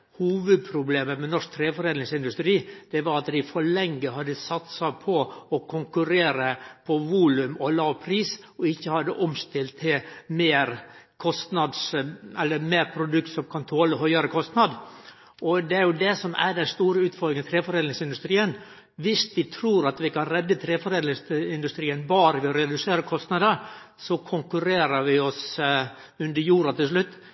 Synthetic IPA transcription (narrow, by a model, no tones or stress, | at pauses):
huːʋʉd̪̚pʰɾʊbleːməmɛnɔʂk̚t̪ʰɾeːfɔɾeːnɪŋsɪnd̪ʉst̪ɾiːd̪̥ɛʋɑɾɑt̪d̪ɪfɔɭɛŋɡəɦɑd̪ːəsɑt̪sɑpʰɔɔkʰʊŋkʉɾeːɾəpʰɔʋuːlʉmɔlɑːʋpʰɾiːs | ɔɪçːəhɑd̪ːəʔɔmst̪ɪlt̪ʰːɪmeːɾkʰɔst̪nɑd̪sɛlːəɾmeːɾpʰɾʊd̪ʉk̚t̪sɔmkʰɑnt̪ʰoːləɦœʏɑɾəkʰɔst̪nɑd̪ | ɔd̪ɛæɾjʊd̪ɛsɔmæ̰ɖɛnst̪uːɾəʉːt̪fɔɾɡɾɪŋət̪ʰɾeːfɔɾeːlnɪŋsɪnd̪ʉst̪ɾiːən | ʋɪsʋɪt̪ʰɾuːɾɑt̪ʋɪkʰɑnɾɛd̪ːət̪ʰɾeːfɔɾeːd̪ɪsɪnd̪ʉst̪ɾiːənbɑːɾəʋɪɔɾɛd̪ʉseːɾəkʰɔst̪nɑd̪əɾ | sɔkʰʊŋkʉɾeːɾəɾʋɪɔs | ʉnd̪əɾjuːɾɑt̪ʰɪlʂ̬lʉt̪ː